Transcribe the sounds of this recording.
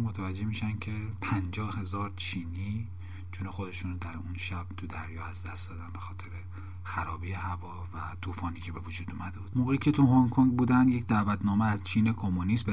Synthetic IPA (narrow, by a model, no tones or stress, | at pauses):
mot̪ʰævæd͡ʒːe̞hmiːʃænd̪cʲʰe̞pʰænd͡ʒɒːhhe̞zɒːɾt͡ʃʰiːniː | t͡ʃʰunexod̪e̞ʃuːnd̪æɾunʃæb̥̚t̪ʰud̪æɾjɒːæzd̪æst̪d̪ɒːd̪ænbe̞xɒːt̪ʰe̞ɾe | xæɾɒːbijehævɒːvæt̪ʰuːfɒːniːcʰebe̞vod͡ʒuːd̪uːmæd̪ebuːd̪̥moːɣeiːcʰe̞t̪ʰuɦoŋkʰoŋɡbuːd̪ænd̪jecd̪ævæt̪ʰnɒːmeæzt͡ʃʰiːnekʰomonist̪be